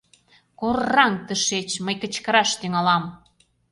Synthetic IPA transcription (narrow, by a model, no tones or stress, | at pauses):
korːɑŋt̪əʃet͡ɕməjkə̆t͡ɕkə̆ɾɑʃt̪yŋɑlɑm